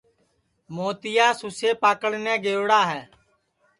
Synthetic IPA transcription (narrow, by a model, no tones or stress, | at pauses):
moːt̪ɪjaːsuseːpaːkəɽnɛ̃ːɡeːʋɽaːɦɛː